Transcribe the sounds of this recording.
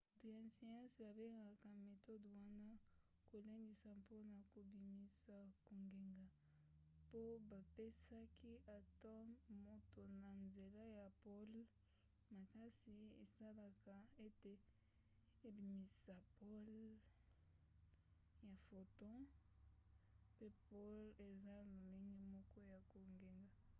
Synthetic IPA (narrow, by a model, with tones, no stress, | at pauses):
tu˨ja˨si˨ã˦sba˨be˦ŋɡa˨ka˨me˨tɔ˦dwa˦na˦ | ko˨le˦ndi˨sa˨pʰo˦na˨ko˨bi˨mi˨sa˨ko˨ŋɡe˨ŋɡa˨ | po˦ba˨pe˦sa˦ki˦a˨tã˦mo˦to˨na˨nze˨la˦ja˨pɔ˦l | ma˨ka˦si˨e˨sa˦la˦ka˨e˦te˨ | e˨bi˨mi˨sa˨pɔ˦l | ja˨fo˨tɔ̃˦ | pe˦pɔ˦le˨za˦lo˨le˦ŋɡe˦mɔ˦kɔ˦ja˨ko˨ŋɡe˨ŋɡa˨